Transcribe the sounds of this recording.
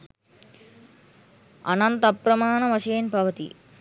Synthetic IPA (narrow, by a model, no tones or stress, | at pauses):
ɐ̰nɐnt̪ɐpɾɐmaːnɐʋɐseːnpɐʋɐt̪ḭ